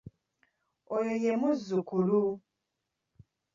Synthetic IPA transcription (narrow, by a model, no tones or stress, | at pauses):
ojojemuzːukulu